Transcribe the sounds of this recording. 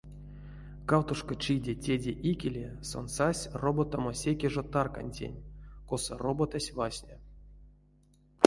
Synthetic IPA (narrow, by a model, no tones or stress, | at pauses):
kawt̪uʂkot͡ʃidʲetʲedʲeʔikʲelʲeso̰nsasʲrobot̪amosʲekʲeʐot̪arka̰nʲtʲḛnʲkosə̰robot̪asʲvasʲnʲe